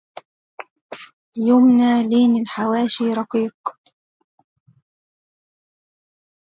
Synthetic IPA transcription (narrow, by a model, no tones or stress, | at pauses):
jʊmnaːliːnɪlħawaːʃiːɾˤɑqiːq